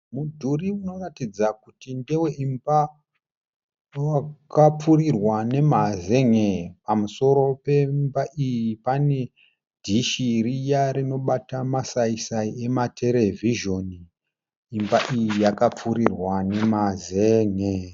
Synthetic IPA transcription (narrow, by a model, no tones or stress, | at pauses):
mudʱuriuno̞ratid͡zakutindewe̞ʔimba | wakap͡furirwane̞mazeŋepamuso̞ɾo̞pe̞mbaʔijipane̞ | dʱiʃirijaɾino̞ɓatamasaisaie̞matʰe̞ɾe̞vʱiʒo̞niː | mbaʔijijakap͡fuɾirwane̞mazeŋe